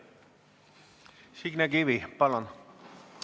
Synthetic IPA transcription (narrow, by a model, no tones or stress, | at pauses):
siɡnæɡiʋipɑlon